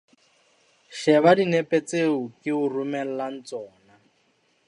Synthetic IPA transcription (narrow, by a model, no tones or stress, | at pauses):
ʃɛβadinɛpet͡seukiurumɛl̩lan̩t͡sɔːna